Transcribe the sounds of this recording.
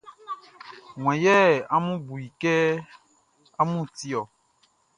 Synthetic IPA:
ŋw̃ɛ̃˨jɛ˦a˦mũ˦bu˨ji˨kɛ˦ | a˦mũ˦˨ti˦ɔ˨

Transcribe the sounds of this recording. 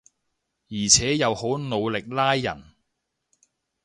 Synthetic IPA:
jiː˨˩t͡sʰɛː˨˥jɐ˨˧who˨˥wno˨˧wlɪ˨k̚laː˥jːɐ̰˨˩n

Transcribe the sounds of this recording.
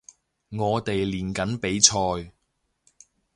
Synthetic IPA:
ŋɔː˨˧t̪e˨jliː˨˩nkɐ˨˥npe˨˥jt͡ʃʰɔː˧j

